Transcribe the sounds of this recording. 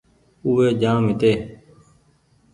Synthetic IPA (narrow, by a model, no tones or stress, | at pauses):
uːʋeːd͡ʒãːmɪt̪eː